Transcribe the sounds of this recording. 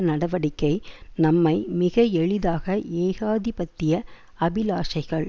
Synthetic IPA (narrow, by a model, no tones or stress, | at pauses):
nɐɽɐʋɐɽɪkːɐɪnɐmːɐɪmɪɣɐɛɭɪðaːɣɐʔeːɣaːðɪpɐt̪ːɪjɐ | ɐbɪlaːʂɐɪɣɐɭ